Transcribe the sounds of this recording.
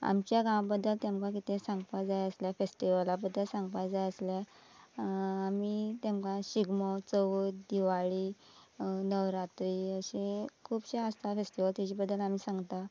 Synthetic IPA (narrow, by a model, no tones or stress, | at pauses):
a̰mt͡ɕjaɡãwbəd̪ːəlt̪jamkak̬it̪ẽsãŋɡpajd͡zajəsljafesʈiʋəlabəd̪ːəlsãŋɡpad͡zajəslja | amit̪emkãɕiɡmɔt͡səʋud̪iʋaɭiː | nəʋɾat̪ɾiːəɕẽkʰuːbɕeast̪ʰafesʈiʋəlt̪at͡ɕiːbəd̪ːəlam̤iːsãŋɡt̪a